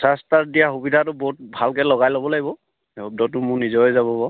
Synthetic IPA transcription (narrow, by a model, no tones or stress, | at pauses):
sastaɹdijaxubidʱatʊbɔɦut̚bʱalkɛlɔɡajlɔbɔlaɡibɔ | ɛɔb̚dɔtʊmʊɹnizɔjzaβɔbɔ